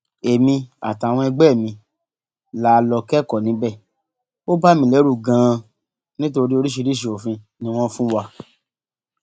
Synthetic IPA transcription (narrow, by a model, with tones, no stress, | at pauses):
e˨mĩ˧a̰˨ta˨w̃ɔ̃˧ɛ˧ɡ͡bɛ˦˨mĩ˧ | la˨˧lɔ˧kɛ˦˨kɔ˦˨nĩ˨˦bɛ˦˨ | o˦ba˦˨mĩ˧˨lɛ˨˦ɾu˦˨ɡã˨˧ | nĩ˦to˧ɾi˦o˧ɾi˦ʃ̬i˧ɾi˦ʃ̬e˧o˨fĩ˧ | nĩ˦w̃ɔ̃˦fũ˦wa˧˨